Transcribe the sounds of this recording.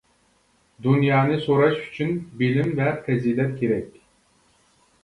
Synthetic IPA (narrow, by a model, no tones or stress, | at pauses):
d̪unjɑːnɨsoɾɑʃy̥t͡ʃʰynbilimvɛfɛziːlɛt̪̚kʲʰeɾɛk̚ʲ